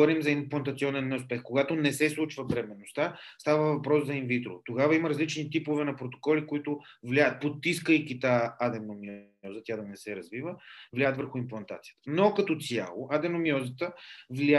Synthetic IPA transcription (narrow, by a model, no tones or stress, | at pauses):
ɔɾimzɐimplˠɐnt̪ɐt̪siɔnɛnːɛʊspɛxkoɡat̪onɛsɛslˠut͡ʃvəbɾɛmɛnost̪a | st̪avəvɐpɾɔszɐinvit̪ɾo̰t̪oɡavɐimɐɾɐzlit͡ʃnit̪ipovɛnɐpɾot̪o̥kɔlikoit̪ʊvlʲaət̪̚pot̪ːiskəikit̪aad̪ɛnomi | ɔzət̪ʲad̪ɐnɛsɛɾɐzvivəvlʲaət̪vəɾxʊimplˠɐnt̪at̪sijət̪ə̥nokɐt̪ɔt̪sja̰lˠoʔad̪ɛnomiɔzət̪əvlʲa